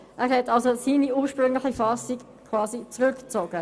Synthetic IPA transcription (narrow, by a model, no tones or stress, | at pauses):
ʔɛːɾhɛtɑlsosiːniuːɾʃpʁʏŋlɪχifɑːsik | kʰv̥ɑːzit͡sʁʏkt͡soːɡ̥ə